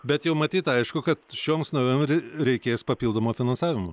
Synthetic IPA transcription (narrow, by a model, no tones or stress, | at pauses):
bʲɛt̪jɛʊmɐt̪ʲiːt̪ɐɪʃkʊkɐt̪ʃʲoːmsnɐʋʲomʲɾʲɛɪkʲeːspɐpʲilˠd̪oːmoːfʲɪnɐnsɑːʋʲɪmʊ